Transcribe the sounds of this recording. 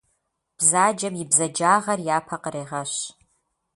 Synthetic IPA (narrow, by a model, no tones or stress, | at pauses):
b̥zaːd͡ʒɐmjɪbzɐd͡ʒaːʁɐrjaːpʰɐqəɾeːʁɐʃ